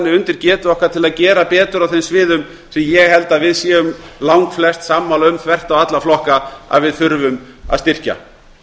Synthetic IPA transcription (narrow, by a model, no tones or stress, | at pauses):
nːɪʏnt̪ɪɾcɛːt̪ʏɔhkvaɾt̪ʰɪlaðcɛːɾapɛːt̪ʏɾawθenmsvɪːðʏm | sɛmjɛɣhɛlt̪aðvɪðsjɛːʏmlawŋkflɛst̪saːmːalʏmkʰvɛr̥t̪awat̪laflɔhkaa̰ðvɪðθʏɾvʏm | a̰ðst̪ɪr̥ca̰